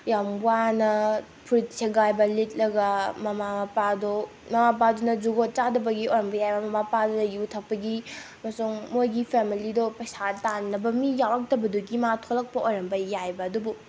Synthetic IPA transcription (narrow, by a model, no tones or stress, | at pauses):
jamwanɐ | pʰuɾitsʰeɡajbɐlit̚ʼlɐɡɐmɐmamɐpado | mɐmap̬adunɐd͡ʒuɡot̚t͡ʃadɐbɐɡiojɾɐmbɐjajbɐmɐmapadɔnɐjutʰɐk̚pɐɡi | mɐsuŋmojɡipʰemilidɔpɐjsatanːɐbɐmijawɐk̚tɐbɐduɡimatʰolɐk̚pɐʔojɾɐmbɐjajbɐːdubu